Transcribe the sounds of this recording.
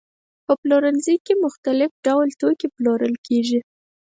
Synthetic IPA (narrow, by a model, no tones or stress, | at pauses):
pəploɾənzikemʊxt̪alɪfɖawlt̪okiploɾəlkʰeʒi